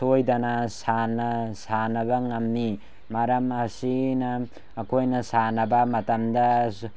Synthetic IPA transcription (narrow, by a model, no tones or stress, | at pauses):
tʰojdɐnɐsanɐsanɐβɐŋɐmni | maɾɐmɐsinɐː | kʰojnɐsanɐbɐmɐtɐmdɐ